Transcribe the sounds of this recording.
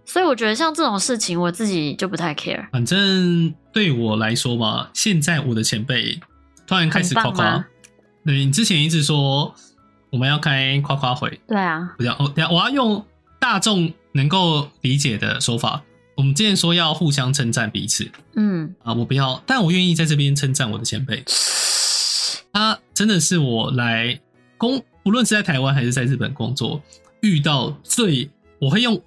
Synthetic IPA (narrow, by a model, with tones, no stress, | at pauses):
swɔ˧˥i˧˥wɔ˨˩t͡ɕɥɛ˧˥d̪ə˧ɕjɑ˥˧ŋt͡sɤ˥˩ʈ͡ʂʊ˨˩ŋʂɻ̩˥˩t͡ɕʰi˧˥ŋwɔ˨˩t͡sɹ̩˥˩t͡ɕi˨˩t͡ɕjo˥˩ʊpu˧˥t̪ʰa˥˩ɪkʰḛ˥ə̰˨˩fa˨˩nʈ͡ʂə˦ŋt̪we˥˩ɪwɔ˨˩la˧˦ɪʂwɔ˥mɐ̰˨ɕjɛ˥˧nt͡sa˥˩ɪwɔ˨˩d̪ə˦t͡ɕʰjɛ˧˥npe˥˩ɪ | t̪ʰo˥ɻa˧˥nkʰa˥ɪʂ̩˨ka˥kʰwa˧˦ | t̪we˥˩ɪni˨˩t͡sɻ̩˥t͡ɕʰjɛ˧˦ni˧˥t͡sʰɻ̩˨˩ʂwɔ˥ | wɔ˨˩mə˨˦njɑ˥˩ʊkʰa˥ɪkʰwa˥kʰwa˦˥xwḛ˧˥˦ɪt̪we˥˩ɪɐ˩u˧jɑ̰˥˩ʔɔ˥˧˩wɔ˨˩jɑ˥˧ʊjʊ˥˧ŋ | t̪a˥˧ʈ͡ʂʊ˥˨ŋ | nə˧˥ŋko˥˩ʊli˨˦˥t͡ɕjɛ˨˩d̪ə̰˩ʂɔ˥ʊfa̰˨˩˦ | wɔ˨˩mə˨˦nʈ͡ʂi˥jɛ˥˩nʂwɔ˥jɑ˥˧ʊxu˥˨ɕjɑ˦ŋʈ͡ʂʰə˥nʈ͡ʂa˥˩npḭ˧˥t͡s̩ʰ˨˩˦n̩˥˩ə˧wɔ˨˩pu˧˦jɑ˥˩ʊt̪a˥˩nwɔ˨˩ɥɛ˥˧ni˥˧t͡sa˥˧ɪʈ͡ʂɤ˥˩p̬jɛ˦nʈ͡ʂʰə˦˥nʈ͡ʂa˥˩nwɔ̰˨d̪ə˩ɕʰjɛ̰˧˥npe˥˩ɪ | t̪ʰa˦ʈ͡ʂə˦˥nd̪ə˨ʂɻ̩˥˩wɔ˨˩la˧˦ɪ | kʊ˥ŋpu˨˧lwə˥˧nʂɻ̩˥˩t͡sa˥˩ɪt̪ʰa˧˥ɪwa˦nxa˧ɪʂɻ̩˥˧t͡sa˥˧ɪɻ̩˥˩pə̰˨˩nkʊ̰˦ŋt͡swɔ̰˥˨ | y˥˧t̪̬ɑ˥˧ʊt͡swe˥˩ɪ | wɔ˨˩xwe˥˧ɪjʊ˥˩ŋ